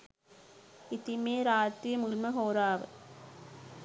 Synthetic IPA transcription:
ɪt̪ɪmeːɾaːt̪ːimʊlmɐɦoːɾaːʋɐ̰

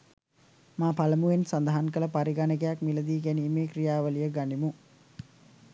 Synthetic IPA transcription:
maːpaləmuʋensand̪əɦankələpaɾiɡanəɡejakmiləd̪iːɡæniːmeːkrijaːʋəlijəɡanimu

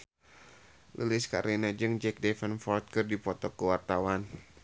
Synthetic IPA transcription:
lʔṵlɪska̰ɾʔinad͡ʒɨŋd͡ʒɛk̚dɛfənfɔrt̪̚kɨrdipɔt̪ɔkəwart̪awan

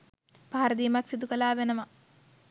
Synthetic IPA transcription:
paːaɾɐd̪iːmaksid̪ukəlaːʋenəʋa

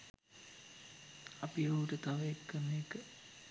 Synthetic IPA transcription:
ɐpioʈət̪aʋəekːənːeːkə

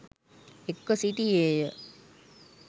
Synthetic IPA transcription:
ekːəsit̪ieːjə

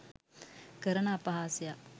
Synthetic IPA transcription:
kəɾɐnaːpɐɦaːsija

